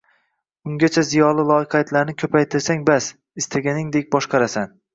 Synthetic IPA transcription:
ʊŋɡʲat͡ʃʰazijɒlˠɪlˠɒɪqɑjat̪ʰlaɾnɪkʲʰɵpʰajt̪ʰɪɾsaŋbas | ɪst̪ʰaɡʲanɪŋd̪e̞k̚ʲbɒʃqʰɑɾasan

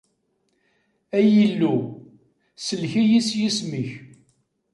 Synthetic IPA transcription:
æjəlːu | səlçijisjismiç

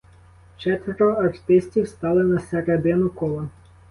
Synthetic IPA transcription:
t͡ʃɛt̪ʋɔɾɔɐrt̪ɪsʲtʲiwst̪ɑlˠɪnɐseɾed̪ɪnʊkɔlˠɐ

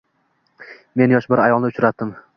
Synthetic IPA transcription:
me̞njɒʃbɪɾajɒlˠnɪʊt͡ʃʰɾat̪ːɪm

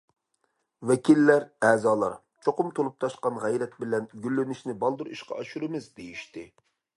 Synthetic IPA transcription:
wɛkʲʰilːæɾɛːzɑːlˠɑɾ | t͡ʃʰoqʊmt̪ʰolˠup̚t̪ʰɑʃqɑnʁɛjɾɛt̪̚bɪlɛnɡʲylːynɪʃnɪbɑlˠd̪uɾiʃqɑ̰ɑʃuɾɨmɪzd̪ejiʃt̪ɪ

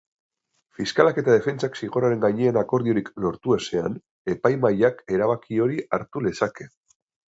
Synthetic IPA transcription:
fiskalake̞t̪aðe̞fe̞nt͡saksiɣ̞o̞ɾaɾe̞ŋɡajɲeːnako̞ɾð̞io̞ɾiklo̞ɾt̪ue̞se̞an | e̞pajmajake̞ɾaβakʰio̞ɾiaɾt̪ule̞sake̞

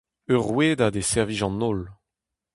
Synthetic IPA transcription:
œʁwed̪ad̪esɛʁviʒɑ̃nɔl

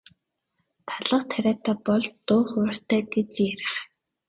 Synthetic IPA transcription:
t̪ʰaɮə̆qt̪ʰæɾʲaːt̪ʰæːpɔɮt̪ːʊːχʊ̆r̥t̪ʰæːɡet͡ɕjæɾɪ̆χ

